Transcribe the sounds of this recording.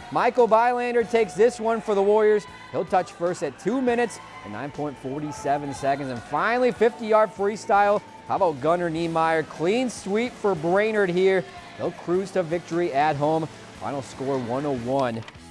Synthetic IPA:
maɪkl̩ˠbaɪlæ̃ndə˞tʰeɪksðɪswʌ̃nfə˞ðəwɔɹjə˞z̥ | hilˠtʰʌt͡ʃfɜ˞stɨtʰumɪ̃ɾ̃ɨts | ɨ̃nːã̰ɪ̃npʰɔ̃ɪ̃ntfɔɹɾisɛvɨ̃nsɛkɨ̃ndzɨ̃nfãɪ̃nl̩ˠifɪftijɑɹd̥fɹistaɪlˠ | haʊbaʊt̚ɡ̥ʌ̃nə˞nimaɪə˞kʰl̥ĩnswipfə˞bɹẽɪ̃nə˞d̚ɦiɹ | hilˠkʰɹ̥ʉz̥tʰɨvɪk̚tə˞iɨt̚ɦõʊ̃m | fã̰ɪ̃nl̩ˠskɔɹwʌ̃noʊwʌ̃n

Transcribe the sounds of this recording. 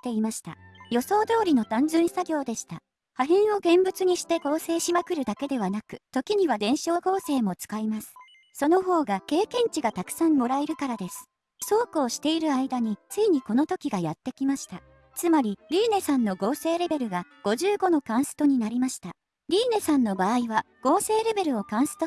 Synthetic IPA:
t̪e̞imaɕi̥t̪a̰jo̞so̞ːd̪o̞ːɾʲino̞t̪ãnzɨ̃ɰ̃saɡʲo̞ːd̪e̞ɕi̥t̪a | haɦĩɰ̃o̞ɡẽ̞mbɯ̟t͡sɨɲ̟iɕi̥t̪e̞ko̞ːse̞ːɕimakɯ̟ɾɯ̟d̪ake̞d̪e̞βanakɯ̟t̪o̞kʲiɲ̟iβad̪ẽ̞ɰ̃ɕo̞ːɡo̞ːse̞ːmo̞t͡sɨ̥kaimasɨ̥ | so̞no̞ɦo̞ːɡake̞ːkẽ̞ɲ̟t͡ɕiɡat̪akɯ̥sãmmo̞ɾaeɾɯ̟kaɾad̪e̞sɨ̥ | so̞ːkɯoɕi̥t̪e̞iɾɯ̟aid̪aɲ̟it͡sɨiɲ̟iko̞no̞t̪o̞kʲiɡajat̪ːe̞kʲimaɕi̥t̪a | t͡sɨmaɾʲiɾʲiːne̞sãnːo̞ɡo̞ːse̞ːɾe̞be̞ɾɯ̟ɡaɡ̥o̞ʑɨːɡo̞no̞kãɰ̃sɨ̥t̪o̞ɲ̟inaɾʲimaɕi̥t̪a | ɾʲiːne̞sãnːo̞baːiβa | ɡ̥o̞ːse̞ːɾe̞be̞ɾɯ̟o̞kãɰ̃sɨ̥t̪o

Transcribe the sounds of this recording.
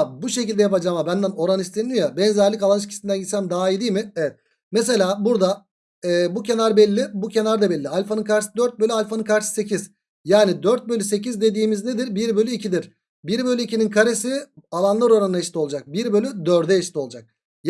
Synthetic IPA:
buʃe̞cilʲd̪ɛjapad͡ʒaːmabænd̪æno̞ɾanist̪ʰind̪imjabɛnzæɾlʲicalˠaniʃ̬cʰi̥sind̪ænɟit̪sæmd̪aːaid̪ijmɪɛvɛt̪̚ | mes̬e̞lʲaːbuɾd̪a | ɛːbuce̞naɾbɛlʲːɪbucʰe̞naɾd̪abɛlʲːialʲfonɯkʰaɾsɯd̪øɾt̪̚bølʲyalʲfonɯkʰaɾsɯ̥se̞cʰiz̥ | jaːnid̪øɾt̪̚bø̞lʲyse̞cizd̪e̞d̪iːmizne̞d̪iɾbiɾbø̞lʲyicʰid̪iɾ̥ | biɾbølʲyicininkʰaɾe̞sialˠanlˠaɾo̞ɾanaeʃt̪ʰʲiolˠd͡ʒak̚biɾbø̞lʲyd̪øɾd̪ɛʃt̪ʰʲio̞lˠud͡ʒak̚ | j

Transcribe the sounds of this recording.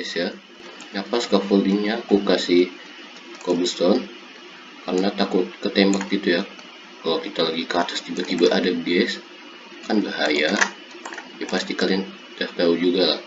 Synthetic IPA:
ɛsja | ŋapaskafɔliɲakukasi | kobust̪ɔn | kaɾənat̪akʊt̪̚kət̪embak̚it̪uja | kalawkit̪alaɡikart̪ḁst̪ibat̪ibaʔadaɡɛs | kanbahaja | d͡ʒapast̪ikalian | daht̪aud͡ʒuɡalah

